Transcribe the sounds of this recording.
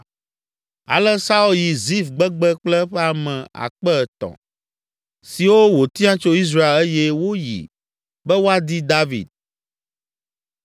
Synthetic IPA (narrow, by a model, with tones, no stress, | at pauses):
a̰˨lɛ˦sa˦u˦lji˨zi˦fɡ͡bɛ˦ɡ͡bɛ˦k͡plɛ˦ɸɛ˦a˨mɛ̃˨a̰˨k͡pɛ˦˨t̪ɔ̰̃˨ | si˨wo˦wo˨t̪ĩ˦a˦t͡ʃo˦i˦s̬ɾa˦e˨lɛ˦jɛ˦wo˦jḭ˨ | bɛ˦wo˦a˦d̪i˦d̪a˦vḭ˨d̪̚